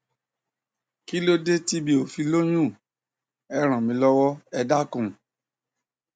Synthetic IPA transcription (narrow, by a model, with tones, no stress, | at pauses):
ki˦lo˦de˦ti˦bi˦o˨fi˧lo˦j̃ũ˦˨ | ɛ˧ɾ̃ã˨mĩ˧˦lɔ˦wɔ˦ɛ˧da˦kũ˨